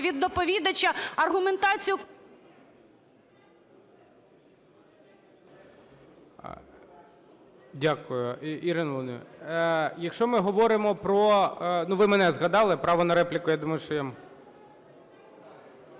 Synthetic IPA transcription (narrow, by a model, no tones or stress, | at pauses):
ʋʲid̪ːɔpɔʋʲid̪ɐt͡ʃɐɐrɦʊment̪ɑt͡sʲijʊ | dʲakʊjʊiɾɪnʋˠnʲ | jɐkʃt͡ʃɔmɪɦɔʋɔɾɪmɔpɾɔnuʋɪmɛnɛzɣɐd̪ɑlˠɪpɾɑʋɔnɐɾɛplʲɪkʊjad̪umɐjʊʃt͡ʃɔjam